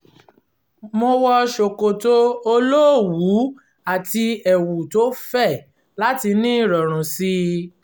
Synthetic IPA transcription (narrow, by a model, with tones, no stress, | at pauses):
mo˧wɔ˧ʃo˨ko˨to˦o˧lo˦˨wu˨˦ | a˨ti˧ɛ˨wu˨to˨˦fɛ˦˨ | la˦ti˧nĩ˦˨ɾɔ˨ɾ̃ũ˨si˦